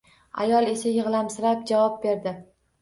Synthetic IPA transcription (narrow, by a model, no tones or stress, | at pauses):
a̰jɒlˠe̞sajɨʁlˠamsɪɾap̚d͡ʒavɒp̚be̞ɾd̪ɪ